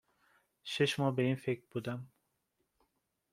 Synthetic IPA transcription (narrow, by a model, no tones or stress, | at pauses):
ʃeʃmɒbejinfek̚ʲbud̪am